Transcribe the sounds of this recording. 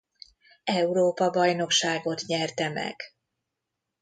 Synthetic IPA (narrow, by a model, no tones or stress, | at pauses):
ɛuɾoːpɒbɒjno̞kʃaːɡo̞t̪ɲɛrt̪ɛmɛ̰ɡ̥